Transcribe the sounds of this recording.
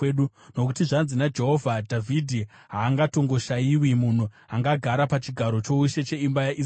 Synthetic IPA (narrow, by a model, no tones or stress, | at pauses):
ɗu | no̞kutiʐanzinad͡ʒe̞ɦo̞vʱadʱavʱidʱi | ɦaːŋɡato̞ŋɡo̞ʃajiwimun̤u | aŋɡaɡʱaɾapat͡ʃiɡʱaɾo̞t͡ʃo̞uʃe̞t͡ʃe̞imbajaʔis